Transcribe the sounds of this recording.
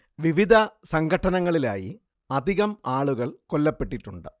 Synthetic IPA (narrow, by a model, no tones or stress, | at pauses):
ʋiʋid̪ʱɐsɐŋɡʱɐʈːɐnɐŋːɐɭila̰ːjḭ | ɐd̪ʱiɣɐmaːɭuɣɐɭkolːɐpːe̞ʈːiʈːuɳɖɨ